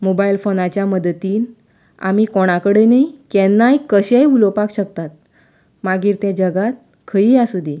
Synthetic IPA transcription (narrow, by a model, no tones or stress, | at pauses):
mobajlfonat͡ɕjaməd̪ət̪iːn | a̰mikoɽ̃akəɽenaikɛnːajkəɕejulopakɕəkt̪at̪̚ | maɡiːɾt̪jad͡ʑəɡat̪̚ | kʰəijasud̪ʱi